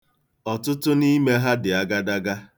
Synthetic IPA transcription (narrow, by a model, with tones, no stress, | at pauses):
ɔ˨tʊ˦tʊ˦ni˦me˦ɦa˦dɪ˨a˦ɡa˦da˦ɡa˦